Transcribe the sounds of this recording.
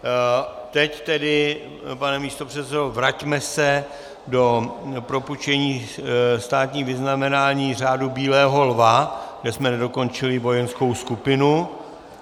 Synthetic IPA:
t̪ɛct̪ɛdɪ | panɛmiːst̪o̞pr̝̥ɛt̪sɛdovɾacmɛsɛ | do̞pɾo̞put͡ʃɛɲiːst̪aːt̪ɲiːvɪznamɛnaːɲiːr̝aːdubiːlɛːɦo̞lvaɡdɛsmɛnɛdo̞ko̞nt͡ʃɪlɪvo̞jɛnsko̞wskupɪnu

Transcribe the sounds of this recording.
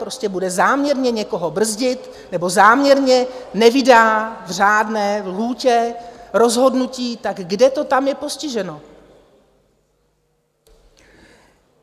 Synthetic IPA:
pɾo̞scɛbudɛzaːmɲɛɾɲɛɲɛko̞ɦo̞br̩zɟɪt̪ | nɛbo̞zaːmɲɛɾɲɛnɛvɪdaːvr̝aːdnɛːluːcɛɾo̞zɦo̞dnuciːt̪aɡɡdɛt̪o̞t̪amjɛpo̞scɪʒɛno̞

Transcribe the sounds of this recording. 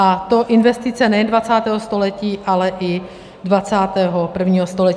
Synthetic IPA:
at̪oʔɪnvɛst̪ɪt͡sɛnɛjɛndvat͡saːt̪ɛːɦost̪o̞lɛciːʔalɛʔɪ | dvat͡saːt̪ɛːɦopr̩vɲiːɦost̪o̞lɛc

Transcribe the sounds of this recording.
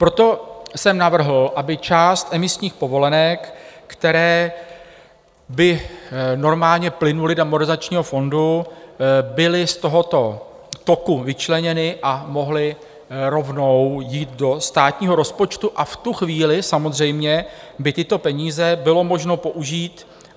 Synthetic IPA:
pɾo̞t̪o̞sɛmnavr̩ɦl̩ʔabɪt͡ʃaːst̪ʔɛmɪsɲiːxpo̞vo̞lɛnɛkːt̪ɛɾɛː | bɪno̞ɾmaːlɲɛplɪnulɪdamoɾɪzat͡ʃɲiːɦo̞fo̞ndu | bɪlɪst̪o̞ɦo̞t̪o̞ | t̪o̞kuvɪt͡ʃlɛɲɛnɪʔamo̞ɦlɪ | ɾo̞vno̞wjiːt̪do̞st̪aːt̪ɲiːɦo̞ɾo̞spo̞t͡ʃt̪uʔaft̪uxviːlɪsamozr̝ɛjmɲɛ | bɪt̪ɪt̪o̞pɛɲiːzɛbɪlo̞mo̞ʒno̞po̞ʔuʒiːt̪

